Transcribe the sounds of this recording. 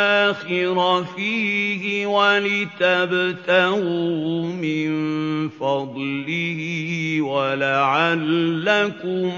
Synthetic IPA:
xɪɾafiːhɪwalɪt̪abt̪ahumɪnfɑd̪ˤlɪhwalaʕalːakʊm

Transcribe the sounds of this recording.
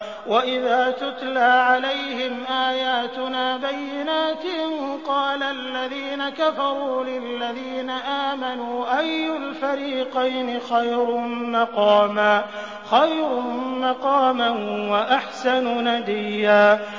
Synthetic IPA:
waʔɪðaːt̪ʊt̪laːʕalajhɪmʔaːjaːt̪ʊnaːbajːɪnaːt̪ɪɪnqɑːlalːaðiːnakafɑɾˤuːlɪlːaðiːnaʔaːmanuːʔajːʊlfaɾiːqajnɪxajɾʊmɑqɑːmaː | xajɾʊmɑqɑːmanwaʔaħsanʊnad̪ɪjːaː

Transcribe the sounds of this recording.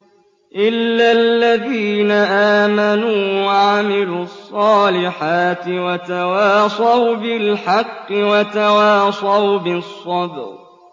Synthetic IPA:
ʔɪlːalːaðiːnaʔaːmanuːwwaʕamɪlusˤːɑːlɪħaːt̪ɪwat̪awaːsˤɑwbɪlħɑqːɨwat̪awaːsˤɑwbɪsˤːɑd̪ɾ

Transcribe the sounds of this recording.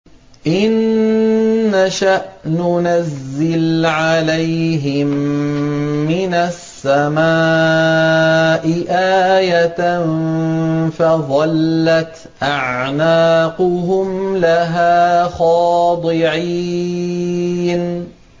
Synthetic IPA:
ʔɪnː | aʃaʔnʊnazːɪlʕalajɦɪmː | ɪnasːama | ʔɪʔaːjat̪n | faðˤɑlːat̪ | ʔaʕnaːqʊɦʊmlaɦaːxɑːd̪ˤɨʕi | n

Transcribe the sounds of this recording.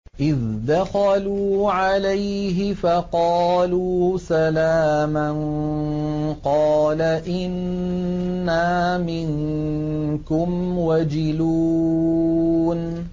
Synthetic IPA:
ʔɪðd̪axaluːʕalajɦɪfɑqɑːluːsalaːman | qɑːlaʔɪnː | aːmɪŋ | kʊmwad͡ʒɪluː | n

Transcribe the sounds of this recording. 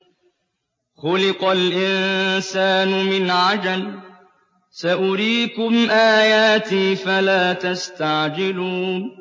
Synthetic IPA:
xʊlɪqalʔɪnsaːnʊmɪnʕad͡ʒal | saʔʊɾiːkʊmʔaːjaːt̪iːfalaːt̪ast̪aʕd͡ʒɪluːn

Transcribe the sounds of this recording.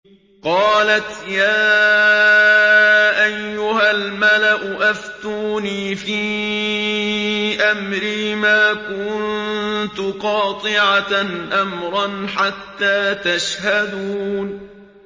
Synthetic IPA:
qɑːlat̪jaː | ʔajːʊɦalmalaʔʊʔaft̪uːniːfiː | ʔamɾiːmaːkʊnnt̪ʊqɑːt̪ˤɨʕanʔamɾˤɑnħat̪ːaːt̪aʃhad̪uːn

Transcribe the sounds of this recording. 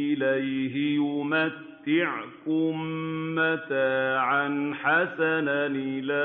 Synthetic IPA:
ɪlajɦɪjʊmat̪ːɪʕkʊmːat̪aːʕanħasananla

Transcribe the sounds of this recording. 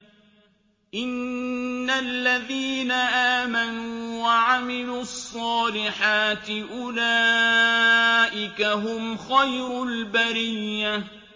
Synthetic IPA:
ʔɪnː | alːaðiːnaʔaːmanuːwaʕamɪluːɑsˤːɑːlɪħaːt̪ɪʔʊlaː | ʔɪkaɦʊmxajɾʊlbaɾɪjːa

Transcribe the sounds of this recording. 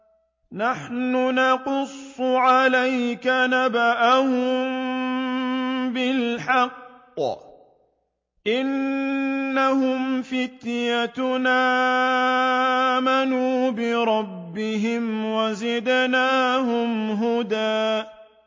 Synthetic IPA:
naħnʊnɑqʊsˤːʕalajkanabaʔahʊm | bɪlħɑqː | ʔɪnː | ahʊmfɪt̪jat̪naː | manuːbɪɾˤɑbːɪɦɪmwazɪd̪naːɦʊmɦʊd̪aː

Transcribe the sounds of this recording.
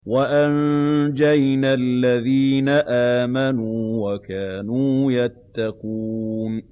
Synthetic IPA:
waʔand͡ʒajnalːaðiːnaʔaːmanuːwakaːnuːjat̪ːɑqun

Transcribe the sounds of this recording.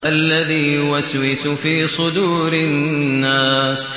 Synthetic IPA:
ʔalːaðiːwaswɪsʊfiːsˤʊd̪uːɾɪnːaːs

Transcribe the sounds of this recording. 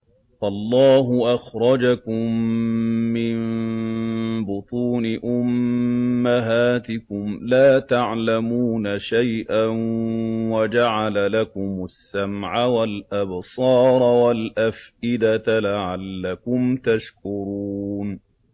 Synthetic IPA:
falˤːɑːɦʊʔaxɾˤɑd͡ʒakʊmː | ɪn | bʊt̪ˤuːnɪʔʊmː | aɦaːt̪ɪkʊmlaːt̪aʕlamuːnaʃajʔanwad͡ʒaʕalalakʊmʊsːamʕawalʔabsˤɑːɾˤwalʔafʔɪd̪at̪laʕalːakʊmt̪aʃkʊɾuuːn

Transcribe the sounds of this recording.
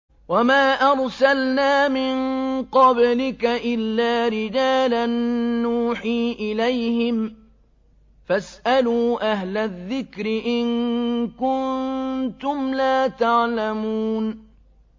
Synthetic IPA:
wamaːʔɑɾˤsalnaːmɪnqɑblɪkaʔɪlːaːɾɪd͡ʒaːlanːuːħiːʔɪlajhɪm | fasʔaluːʔaɦlaðːɪkɾɪʔɪnkʊnt̪ʊmlaːt̪aʕlamuːn

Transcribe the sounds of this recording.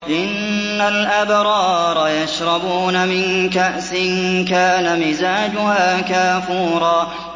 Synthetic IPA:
ʔɪnːalʔabɾˤɑːɾˤɑjaʃɾˤɑbuːnamɪnkaʔsɪnkaːnamɪzaːd͡ʒʊhaːkaːfuːɾˤɑː

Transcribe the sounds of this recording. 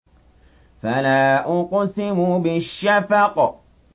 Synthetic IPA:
falaʔʊqɔsimubɪʃafaqɔ

